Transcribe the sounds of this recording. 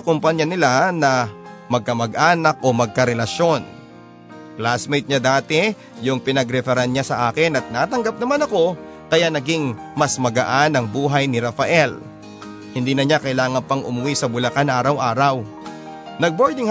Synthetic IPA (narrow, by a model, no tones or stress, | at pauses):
ɐkʊmpɐɲːanɪlanɐmɐɡ̚kɐmɐɡʔaːnɐk̚ʔo̞mɐɡ̚kɐɾɛlɐʃo̞n | plasmɛjt̪̚ɲad̪aːt̪ɛ | jʊŋpɪnɐɡɾɛfɛɾɐnɲasɐʔaːkɪnɐt̪̚naːt̪ɐŋɡap̚nɐmanɐko̞ | kɐjanɐɡɪŋ | mɐsmɐɡɐʔanɐŋbuːɦɐjnɪɾɐfɐʔɛl | hɪnd̪iːnɐɲakɐʔɪlaːŋɐnpɐŋʔʊ̰mʊwisɐbʊlɐkanʔaːɾɐwʔaːɾɐw | nɐɡ̚boɹd̪ɪŋ